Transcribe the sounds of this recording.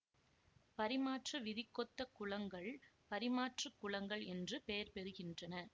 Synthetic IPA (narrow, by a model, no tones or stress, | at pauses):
pɐɾɪmaːʈrɯʋɪðɪkːɔt̪ːɐkːʊɭɐŋɡɐɭpɐɾɪmaːʈrɯkːʊɭɐŋɡɐɭɛndrɯpejɐɾpɛɾɯɣɪndrɐnɐ